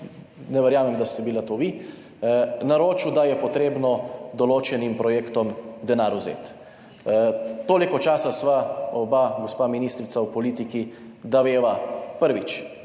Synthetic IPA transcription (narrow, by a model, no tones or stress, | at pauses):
nɛʋɛɾjaːmɛmd̪ast̪ɛbilat̪oʋi | naɾoːt͡ʃud̪ajɛpɔt̪ɾeːbnɔd̪ɔloːt͡ʃɛnimpɾɔjeːkt̪ɔmd̪ɛnaːɾuzḛːt̪ | t̪oːlikɔt͡ʃaːsasʋaɔbaɡospaminiːst̪ɾit̪sawpɔliːt̪ikid̪aʋeːʋapəɾʋit͡ʃ